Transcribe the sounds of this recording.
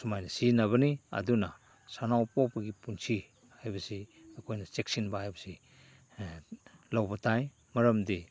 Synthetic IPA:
sumajnɐsinɐβɐniɐ̰duna | sanawpopɐɡipunt͡ʃʰi | hajbɐsiɐkʰojnɐt͡ʃeksinbaajbɐsi | lawbɐtʰaj | mɐɾɐmdi

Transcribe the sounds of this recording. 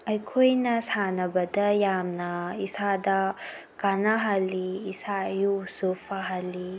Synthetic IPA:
ɐjkʰojnɐsanɐbɐdɐjamnɐisadɐ | kanaɦaliːsaɐjusopʰaɦali

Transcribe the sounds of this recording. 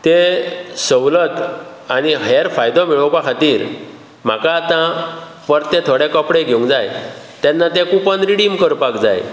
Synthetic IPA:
t̪esəwlət̪ | añiɦəɾfajd̪ɔmiɭəwkakʰat̪iːɾ | m̤akaːt̪ã | pəɾt̪et̪ʰoɽẽkɔpɽeɡʱeũŋɡd͡zaj | t̪ɛnːat̪ekupənɾiɽimkəɾpakd͡zaj

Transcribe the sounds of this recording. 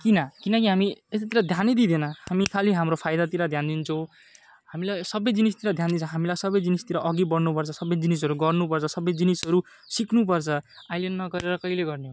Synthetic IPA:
kinʌkinʌkiɦamiet̪at̪iɾad̪ʱjanid̪id̪ʱenʌhamikʰaliɦamɾopʰajd̪at̪iɾad̪ʱjand̪int͡sʰʌ̃w̃ | hamilajsʌbʌjd͡zinist̪iɾad̪ʱjand̪int͡sʰʌɦamilajsʌbʌjd͡zinist̪iɾaʔʌɡibʌɽnupʌrt͡sʰʌsʌbʌjd͡zinisʌɾuɡʌrnupʌrt͡sʰʌsʌbʌjd͡zinisɦʌɾu | siknup̬ʌrt͡sʰʌajlenːʌɡʌɾeɾʌkʌileɡʌrneɦõ

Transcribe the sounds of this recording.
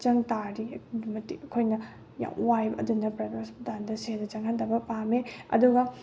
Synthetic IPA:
t͡ʃɐŋtaɾimɐtḭɐkʰojnɐ | ja̰wwajbʔɐ̰dunːɐpɾadspdandɐsedɐt͡ʃɐŋhʰandɐbɐpameɐ̰duɡɐ

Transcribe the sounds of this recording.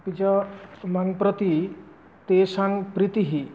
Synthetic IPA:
pit͡ʃɔmaŋpɾɔt̪i | t̪esaŋpɾit̪iɦi

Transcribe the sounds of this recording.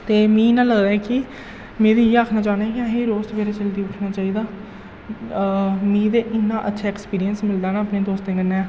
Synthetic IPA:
t̪eːmĩːnãːləɡd̪aːɛkɪ | mẽːd̪iːjeaːkʰnaːt͡ʃaːnːɛːkɪãːɦeːɾoːst̪beːɾeːt͡ʃəld̪iːʊʈʰnaːt͡ʃaːiːd̪aː | mĩːd̪eːʔɪnːãːʔətːʃʰaːeːkspiːɾiənsmɪld̪aːnaːpneːd̪oːst̪ẽːɡənːeɛː

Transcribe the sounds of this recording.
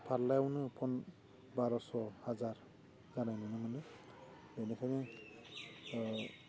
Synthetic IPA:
pʰallajawnɯpʰɔn | baɾɔsɔhazaɹ | ɡanajnɯnɯmanɯ | enekʰɔŋe

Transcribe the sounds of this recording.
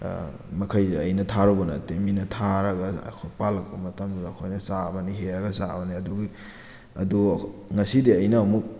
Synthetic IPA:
mɐkʰɐjɐjnɐtʰaɾobɐnɐ̰teminɐtʰaɾɐɡɐ̰kʰopalɐk̚pɐmɐtɐmduːkʰojnɐsabɐniɦeaɡɐsa̰bɐniɐduɡi | ɐ̰duŋɐsidiɐjnɐomuk̚

